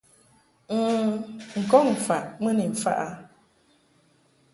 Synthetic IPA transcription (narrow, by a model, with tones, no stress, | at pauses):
ŋ̩˨kɔ˦ŋm̩˨fa˨ʔmə˦ni˨m̩˨fa̰˦ʔa˦